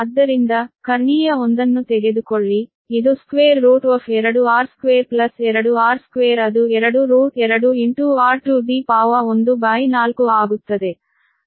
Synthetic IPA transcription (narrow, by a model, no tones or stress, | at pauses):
ɐd̪ːɐɾind̪ɐkɐɾɳiːjɐond̪ɐnːut̪ɛɡed̪ukoɭːi | id̪uskʋeːɾːuːʈʋɐfɛɾɐɽuaːɾskʋeːɾplɐsɛɾɐɽuaːɾskʋeːɾɐd̪uɛɾɐɽuɾuːʈɛɾɐɽuiɳʈuːaːɾʈuːɖiːpaːʋɐond̪ubaːjinaːlukuaːɡut̪ːɐd̪e